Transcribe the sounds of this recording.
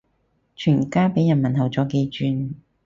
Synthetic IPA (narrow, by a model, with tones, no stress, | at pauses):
t͡ʃʰyː˨˩nkaː˥pe˨˥jɐ˨˩nmɐ˨˩nhɐ˨wt͡sɔː˨˥ke˧jt͡ʃyː˧n